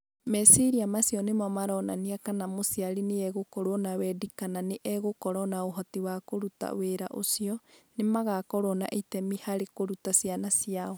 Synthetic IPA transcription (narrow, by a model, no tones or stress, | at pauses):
mɛsiɾiamasiɔnemɔmaɾɔna̰niakanamosiaɾineɛɣokɔɾɔnawɛdikananeʔɛɣokɔɾɔnaoɦɔtiwakoɾuta̰weɾa̰ʔo̰siɔnemaɣakɔɾɔna̰ʔitɛmihaɾekoɾutasianasiaɔ